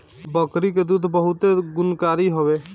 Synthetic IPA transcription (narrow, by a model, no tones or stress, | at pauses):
bəkɾiked̪ud̪ʱbəɦʊt̪eɡʊnkaːɾiɦoʋe